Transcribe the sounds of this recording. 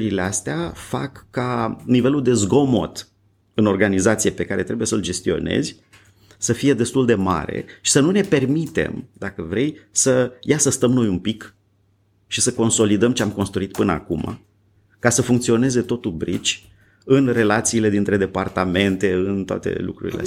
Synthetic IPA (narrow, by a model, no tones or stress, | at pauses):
ɾileast̪eafa̰kːanive̞lud̪e̞zɡo̞mo̞̰t̪ | ɨno̞rɡanizat̪sijepe̞kaɾe̞t̪ɾe̞buje̞səld͡ʒe̞st̪io̞̰ne̞̰zʲ | səfije̞d̪e̞st̪uld̪e̞ma̰ɾḛʃi̥sənune̞pe̞rmit̪e̞̰md̪akəvɾe̞jsəjasəst̪əmno̞jumpik | ʃisəko̞nso̞lid̪əmt͡ʃeamko̞nst̪ɾuit̪̚pɨnəa̰kuma̰ | kasəfuŋk̚t̪sio̞ne̞ze̞t̪o̞t̪ubɾḭt͡ʃʲ | ɨnre̞lat̪siːle̞d̪int̪ɾe̞d̪e̞part̪ame̞nt̪e̞ɨnt̪oa̰t̪e̞̰lṵkɾṵɾḭlḛ